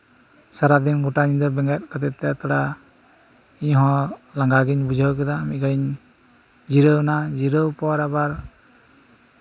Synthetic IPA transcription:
saɾad̪inɡɔʈaɲiɲd̪ɔbɛŋɡat̪̚ˀkʰat̪ɛt̪ːɛjat̪ɔɽa | iɲɦɔ̃laŋɡaɡiɲbud͡ʒʱəwk̬ɛd̪amit̪̚ˀɡaiɲ | d͡ʒiɾəwnad͡ʒiɾəwpɔwaɾabaɾ

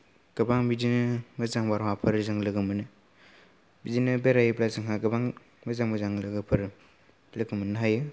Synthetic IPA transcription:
ɡ̥ɐbaŋbidinɯmɐzaŋbaɾwapʰɐɾzaŋlɯɡɯmɯnɯ | bidinɯbeɾajplazɯŋɦaɡɐbaŋ | mɐzaŋmazaŋlɯɡɯpʰɯɾ | lɯɡɯmɯnaɦajɯ

